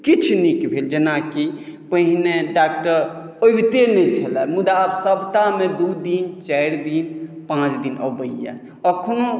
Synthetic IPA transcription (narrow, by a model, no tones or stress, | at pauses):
kit͡ʃʰnikbʱeld͡ʒenakipəɦneɖak̚ʈəɾ | obt̪enɛt͡ʃʰəlɛmud̪absəbt̪amed̪ud̪int͡ʃɛjɾd̪inpãt͡ʃʰd̪inə̰bəija̰ | əkʰno